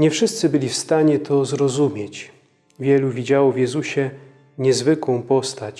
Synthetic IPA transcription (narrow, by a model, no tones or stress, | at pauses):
ɲɛfʂɘst̪sɘbɘlʲifst̪aɲɛt̪ʰɔzɾɔzumʲjɛt͡ɕ | vʲjɛluvʲid͡ʑawɔvʲjɛzuɕɛ | ɲɛzvɘkwɔ̃w̃pɔst̪at͡ɕ